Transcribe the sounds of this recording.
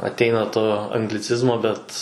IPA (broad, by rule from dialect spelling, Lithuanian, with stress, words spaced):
ɐtʲˈɛɪnɐ toː ɐŋɡlʲɪˈt͡sʲɪzmoː ˈbʲɛt